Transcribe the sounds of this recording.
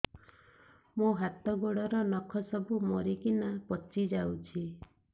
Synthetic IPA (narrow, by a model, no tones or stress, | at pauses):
muɦat̪ɔɡoɽɔɾɔnɔkʰɔsɔbumɔɾikinapɔt͡ʃid͡ʒawt͡ʃʰi